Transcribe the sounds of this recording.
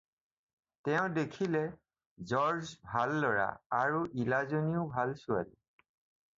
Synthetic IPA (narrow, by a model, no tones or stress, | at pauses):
tɛʊ̃dekʰilɛ | zɔɹzbʱalːɔɹa̰aɹuʔilazoniʊbʱalsʊa̰lḭ